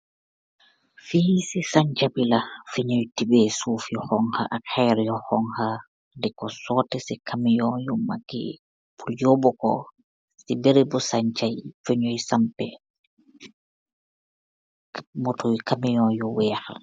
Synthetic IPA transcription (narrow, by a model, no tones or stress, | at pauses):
fiːsisaɲt͡ʃabilafeɲojtibɛsuːfihɔŋha̰ʔahɛɾɛjɔhɔŋha | dɛkɔsɔːtɛsikʰamijɔjɔmaɡɛ̰ | pʰuljɔbɔkɔ | ssibeɾibɔsaɲt͡ʃajfeɲojsampɛ | motʰoikʰamijɔjɔwɛːha̰